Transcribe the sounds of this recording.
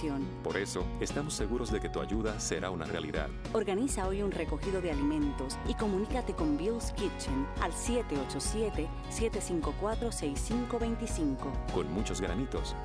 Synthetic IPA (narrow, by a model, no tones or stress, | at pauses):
jonpo̞ɾe̞so̞est̪amosːeɣuɾo̞zðe̞ket̪ua̰ʝuðase̞ɾʔauna̰rea̰lḭða̰ð | oɾɣanisao̞junreko̞xiðo̞ðealimẽ̞nt̪o̞siko̞mũnikat̪e̞ko̞mbilskit͡ʃona̰lsje̞t̪eot͡ʃo̞sjet̪e̞ | sje̞t̪e̞siŋko̞kwat̪ɾo̞sejsːiŋko̞βe̞jnt̪isiŋko̞ko̞nmut͡ʃo̞zɡɾa̰nit̪o̞̰s